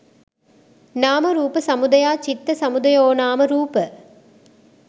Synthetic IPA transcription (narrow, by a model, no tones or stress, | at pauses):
naːmɐɾuːpɐsɐmʊd̪ɐjaːt͡ʃit̪ːɐsɐmʊd̪ɐjoːnaːmɐɾuːpɐ